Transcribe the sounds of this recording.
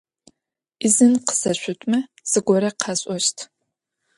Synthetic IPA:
izɨnqə̥sɐɕʷʊtʷʼmɐ | sɨɡʷɔɾɐqʰɑɕʼɔʃtʰ

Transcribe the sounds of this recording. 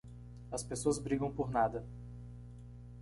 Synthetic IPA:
ɐspesoɐzbɾiɡɐ̃w̃poɾnad̪ɐ

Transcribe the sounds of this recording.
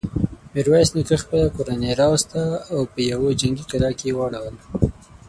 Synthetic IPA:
mɪɾwajsnikəxpəlakoɾaneɾɑwst̪aːwpəjawod͡ʒaŋɡikaɾɑkejewaɽawəl

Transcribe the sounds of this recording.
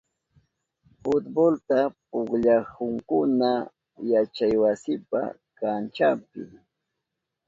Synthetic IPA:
fʊt̪bolt̪apʊkʎahʊŋkʊna | jat͡ʃajwasɪpa̰ | kant͡ʃapɪ̰

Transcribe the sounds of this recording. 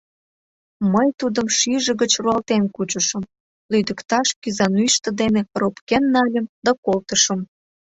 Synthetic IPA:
məjt̪ud̪əmʃiʒə̆ɣət͡ɕruɑlt̪enkut͡ɕəʃəm | lyd̪əkt̪ɑʃkyzɑnyjʃt̪ə̆d̪eneropkenːɑlʲəmd̪ɑkolt̪əʃəm

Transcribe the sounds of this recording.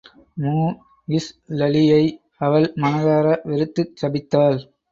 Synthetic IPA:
muː | ɪslɐlɪjɐɪ | ɐʋɐlmɐnɐðaːɾɐʋɪɾɯt̪ːɯt͡ʃːɐbɪt̪ːaːl

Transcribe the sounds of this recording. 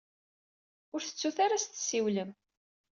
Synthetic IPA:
ʊɾθə̥t͡sːuθaɾast̪siwləm

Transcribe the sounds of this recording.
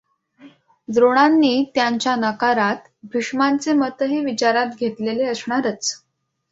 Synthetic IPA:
d̪ɾoɽ̃anːiːt̪jaɲt͡ɕjanəkaɾat̪ | bʱiʂmant͡semət̪ɦeʋit͡ɕaɾat̪ɡʱet̪leleəsɳaɾət͡s

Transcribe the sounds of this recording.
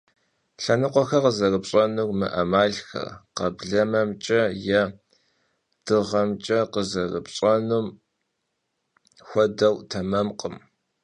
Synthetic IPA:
ɬɐnɨqʷɔxɐqəzɐrɨpɕʼɐnurmɨ̰ʔɐmaːɮxɐ̰rqɐbɮɐmɐmt͡ʃʼɐjɛ | d̥ɨʁɐmt͡ʃʼɐqəzɐrɨpɕʼɐnum | xʷɔdɐwtʰɐmɐmqʼəm

